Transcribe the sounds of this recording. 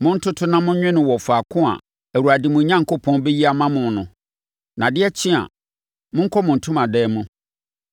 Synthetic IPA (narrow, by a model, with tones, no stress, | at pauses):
mʊ̃˦n̩˦tʰʊ˦tʰʊ˦nã˦mʊ̃˦ɲᶣɛ̃˦nʊ̃˨wɔ˨faː˨kʰʊ̃˦a̰˨ | ɛ˨wu˨ɾa˨di˨mʊ̃˨˦ɲã˦ŋ˦kʰo˦pʰɔ̃˦nbɛ˦ji˦a˨mã˦mʊ̃˨nʊ̃˨ | nã˨dɪ˦ɛ˦t͡ɕʰɪ̃˦a̰˨ | mʊ̃˦ŋ̩˦kʰɔ˦mʊ̃˨n̩˨tʰũ˦mã˨dɛː˦mʊ̃˦